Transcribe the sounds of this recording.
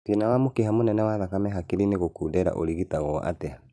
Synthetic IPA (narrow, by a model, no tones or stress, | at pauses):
tinawamokeɦamonɛnɛwaðakamɛɦakiɾineɣokuːdɛɾa̰ʔo̰ɾiɣitaɣɔʔa̰tɛa